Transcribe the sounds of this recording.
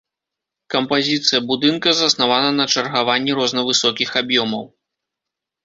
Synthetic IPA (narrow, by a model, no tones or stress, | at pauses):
kɐmpazʲit̪sɨjɐbud̪ɨnkɐzɐsnavanɐnɐt͡ʂɐrɣavanʲːiɾɔznɐvɨsɔkʲixabjɔmɐw